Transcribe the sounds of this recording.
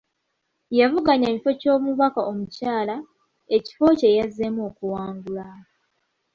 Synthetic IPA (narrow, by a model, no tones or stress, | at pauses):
javuɡaɲamifo̞co̞ːmuβakaʔo̞mucaːla | eci̥fo̞ːcejazemo̞kuwaːŋɡula